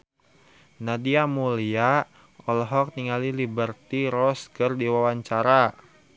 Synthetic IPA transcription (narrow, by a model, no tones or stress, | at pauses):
nadiamulia | ɔlɔɦɔk̚niŋalilibərt̪iɾɔskərdiwawaɲt͡ʃaɾa